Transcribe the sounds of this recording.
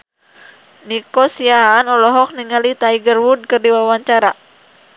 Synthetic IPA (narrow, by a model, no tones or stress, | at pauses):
nikɔsiaːnɔlɔɦɔk̚niŋalit̪aiɡərwud̚kɨrdiwawaɲt͡ʃaɾa